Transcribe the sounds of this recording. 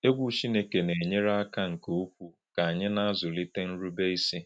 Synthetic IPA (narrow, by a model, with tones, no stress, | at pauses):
e˦ɡʷu˦t͡ʃi˦ne˨ke˨ne˨ɲe˦ɾa˦a˦ka˦ŋ̩˨ko˨o˦kʷu˦ | ka˨a˨ɲɪ˦na˦a˦zʊ˨li˦te˦n̩˦ɾu˦be˦i˦si˦